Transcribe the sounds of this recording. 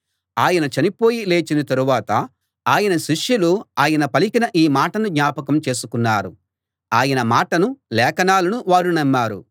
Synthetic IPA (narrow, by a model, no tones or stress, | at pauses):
aːjɐnɐt͡ʃɐnipo̞ːjile̞ːt͡ʃinɐt̪ɐɾuʋaːt̪ɐ | aːjɐnɐʃiʂjuluaːjɐnɐpɐlikinɐʔiːmaːʈɐnuɡ̪ɲaːpɐkɐmt͡ʃe̞ːsukunːaːɾu | aːjɐnɐmaːʈɐnulɛːkɐnaːlɐnuʋaːɾunɐmːaːɾṵ